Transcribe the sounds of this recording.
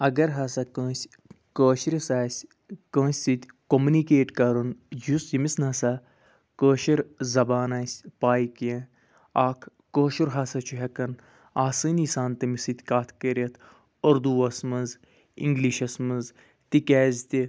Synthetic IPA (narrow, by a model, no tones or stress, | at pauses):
ɐɡɐɾɦasɐkoːsʲ | koːʃiɾisaːsʲ | koːsʲsit̪ʲ | komunikeːʈkɐɾund͡ʒusimisnasa | koːʃiɾzɐbaːnaːsʲpaːikijẽ | aːkʰːoːʃuɾɦaːsɐt͡ʃʰuɦʲɐkɐn | aːsɨːnisaːnt̪ɨmisit̪ʲkaːt̪ʰkəɾʲɐt̪ʰ | oɾd̪uɐsmɐnz | ḭŋɡliːʃɐsmɐz | t̪ikʲɛːzʲt̪i